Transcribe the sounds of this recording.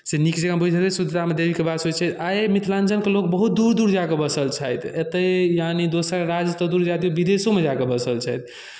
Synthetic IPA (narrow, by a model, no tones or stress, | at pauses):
senikd͡ʒəɡabʱud͡ʒd͡ʒət̪ɛsud̪ʱt̪amed̪ebikebad̪sot͡ʃʰɛjt̪ʰajmit̪ʰland͡ʒənkelok̚bəɦut̪̚d̪uɾd̪uɾd͡ʒakebəsəlt͡ʃʰajt̪ʰet̪əjanid̪osəɾɾad͡ʒət̪ɔd̪uɾd͡ʒad̪iobid̪esomed͡ʒakebəsəlt͡ʃʰajt̪ʰ